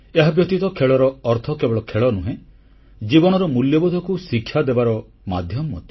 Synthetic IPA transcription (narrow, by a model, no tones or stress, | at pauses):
eɦabjɔt̪it̪ɔkʰeɭɔɾɔːɾt̪ʰɔkebɔɭɔkʰeɭɔnuɦẽ | d͡ʒibɔñɔɾɔmuljɔbud̪ʱɔkusikʰːjad̪ebaɾɔ | mad̪ʱjɔmːɔt̪i̥